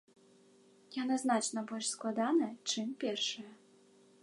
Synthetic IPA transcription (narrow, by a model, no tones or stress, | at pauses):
janɨznat͡ʂnɐbɔlʲʂsklˠad̪anɨjɐt͡ʂɨmpʲɛrʂɨjɛ